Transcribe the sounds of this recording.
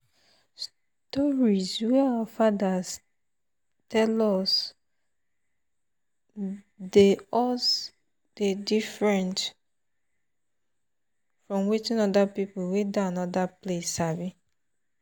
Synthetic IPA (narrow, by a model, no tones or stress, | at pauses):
s | tɔɹizwɛaafadaz | tɛlɔs | deɔs | d̥edifɹɛ̃nt | fɹɔ̃mwit͡ʃĩnɔdapipuwedaanɔdaplesavi